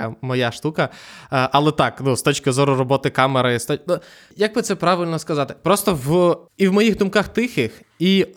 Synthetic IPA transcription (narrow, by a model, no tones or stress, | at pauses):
ɐmɔjaʃt̪ukɐʔɐlˠɛt̪ɑknust̪ɔt͡ʃkɪzɔɾʊrɔbɔt̪ɪkɑmeɾɐist̪ɔnu | jɐɡ̚bɪt̪sɛpɾɑʋɪlʲnɔskɐzɑt̪ɪ̥pɾɔst̪ɔwiwmɔjiɣd̪ʊmkaxt̪ɪxɪx | i